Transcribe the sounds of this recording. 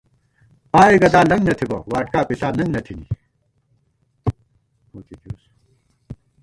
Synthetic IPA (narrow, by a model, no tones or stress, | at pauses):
paːiɡɐd̪aːlɐŋɡnɐt̪ʰibɐ̰waːʈkaːpisaːnɐŋɡnɐt̪ʰinḭ | okikios